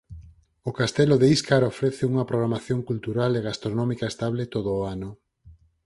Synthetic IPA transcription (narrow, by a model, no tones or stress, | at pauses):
ʊkast̪ɛloðeiskaɾofɾɛθɪuŋɐpɾoɣɾamaθjoŋkult̪uɾaleɣast̪ɾonɔmikaest̪aβlet̪oðoːanʊ